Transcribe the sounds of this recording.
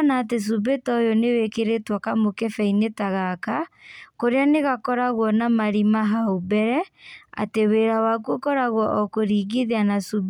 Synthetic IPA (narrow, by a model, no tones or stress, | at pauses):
naːtes̬ubetɔjɔnewekeɾetwakamokefɛinetaɣakakoɾeaneɣakɔɾaɣwɔnamaɾimaɦaubɛɾɛa̰teweːɾawak̬wokɔɾaɣwɔʔɔkoɾiːɡiðeanasub